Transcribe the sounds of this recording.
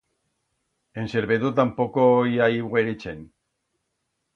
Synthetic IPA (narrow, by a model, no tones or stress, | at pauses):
ense̞ɾβeðut̪̬ampokojaiwɣeɾit͡sen